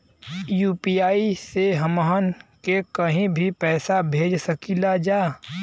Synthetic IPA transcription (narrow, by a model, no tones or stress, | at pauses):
juːpiaːiseɦəməɦənkekəɦĩbʱipɛːsabʱeːd͡ʒsəkilad͡ʒaː